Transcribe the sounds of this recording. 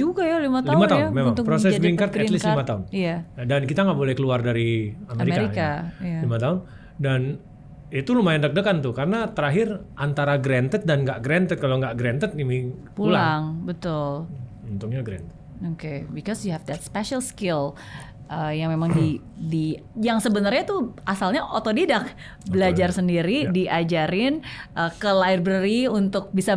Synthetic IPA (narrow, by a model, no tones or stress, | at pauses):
d͡ʒuɡajalimat̪laimat̪amemaŋt̪ʊpɾosɛsbiŋkart̪ɛlislimat̪aʊnjaadankit̪aŋɡaʔbolɛhkəluardaɾiameɾimekaɾijkajalimat̪aʊn | dan | it̪ulumajandək̚dəkant̪ʊkaɾənat̪əɾaɦɪrʔant̪aɾaɡɾɛnt̪ət̪̚danŋɡaʔɡɾɛnt̪ət̪̚kaloŋɡaʔɡɾɛnt̪ət̪̚inipuulaŋbət̪ʊlunt̪uŋɲaɡɾɛ̰nt̪ə̥t̪̚okebikɔsjuhɛfdɛt̪spɛʃəlskɪl | ʔəjaŋmemaŋdi | di | jaŋsəbənərɲat̪uasalɲaʔot̪odidak̚ | bəlad͡ʒarsəndiɾidiʔad͡ʒaɾɪnʔəkəlaɪrbɾəɾiunt̪ʊk̚bisa